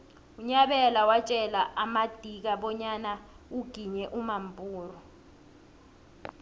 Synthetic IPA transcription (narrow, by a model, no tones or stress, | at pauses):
uɲaɓɛlawat͡ʃʼɛlaʔamad̥ʱik̬aɓɔɲana | uɡ̥ʱiɲɛʔumampʼuːrɔ